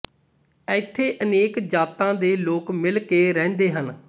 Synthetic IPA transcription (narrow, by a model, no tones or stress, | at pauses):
ɛːɪt̪ʰːeːʔəneːkd͡ʒaːt̪ãːd̪eːloːkmɪlkeːɾɛ̃ːnd̪eːɦən